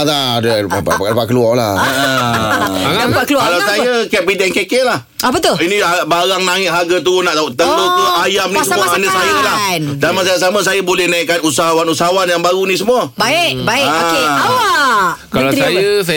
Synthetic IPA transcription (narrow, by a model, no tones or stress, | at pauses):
laadapa̰pa̰paɾpaʔkəluala̰həə | pakəlukalawsajakiat̪̚bit̪aŋkekɛʔlah | abət̪ʊiniabaɾaŋnãŋɪʔɦaɡat̪̬unaʔt̪aʔt̪ənd̪ot̪uajamnĩsəmũaanəsajalandanmãsajas̬amə̃s̬ajabolɛhnãikanusaɦawanusaɦawanjaŋbaɾunĩs̬əmũabaɪʔbaɪa | kalaajasa